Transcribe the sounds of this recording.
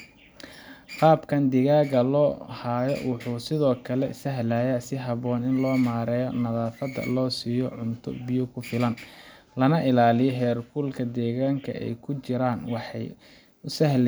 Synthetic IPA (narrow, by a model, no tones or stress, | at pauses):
qɑːbkʰɐnd̪ɪɣaːɣɐlɔːhaːjɔ̰wʊħuːsɪðɔːkʰɐlɛ̰sɐɦlaːjasɪɦɑβɔːnɪnlɔːmaːɾɛːjɔnɐðaːfɐd̪ɐ̰lɔːsiːjɔʕʊnt̪ʰʊ̰bɪjʊkʰʊfɪlɐn | lɐnɐʔɪlaːlɪjɔɦɛːrkʰuːlkʰɐd̪ɛːɣaːŋkʰɐ̰ʔɛ̰jkʰʊt͡ʃɪɾaːnwɑħɑ̰j | ʊsɐhl